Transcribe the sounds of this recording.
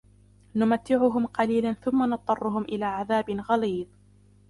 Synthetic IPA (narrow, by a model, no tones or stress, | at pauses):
nʊmat̪ːɪʕʊɦʊmqɑliːlanθʊmːanɑt̪ˤːɑrˤːʊɦʊmʔɪlaːʕaðaːbɪnɣɑliːd̪ˤ